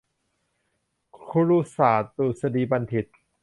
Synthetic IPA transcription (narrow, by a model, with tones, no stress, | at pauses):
kʰu˧ɾu˧˥saː˨˩t̪uː˨˩sa˧diː˨ba˧nt̪ʰi˨˩t̪̚